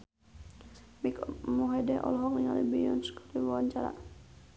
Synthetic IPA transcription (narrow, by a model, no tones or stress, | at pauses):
mikmuɦɛdɛʔɔ̰lɦɔk̚iŋalibijɔnskḁɾiwawaɲt͡ʃaɾa̰